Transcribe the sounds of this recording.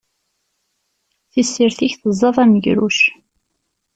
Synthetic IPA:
θisːiɾθiçθəzˤːɑðˤæməʝɾuʃ

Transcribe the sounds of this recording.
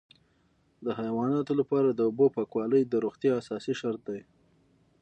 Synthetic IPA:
d̪əɦajwɑnɑt̪olapɑɾad̪əobopɑkwɑləjd̪əɾoxt̪jɑːsɑsiʃaɾt̪̚d̪aj

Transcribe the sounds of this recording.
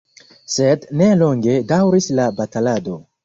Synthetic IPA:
sedneloŋɡedawɾislabatalado

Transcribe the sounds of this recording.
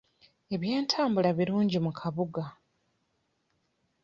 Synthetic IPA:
e̞βjeːntʰaːmbulaβiɾuːɲɟimukʰaβuɡa

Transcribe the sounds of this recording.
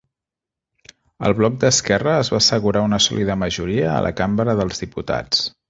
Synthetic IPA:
ə̰lˠβlɔk̚d̪əskɛrəːzβasəɣuɾaunəsɔ̰lʔiðəməʒuɾiə̰ːlʔə̰kambəɾəðəlˠzðiput̪a̰t͡s

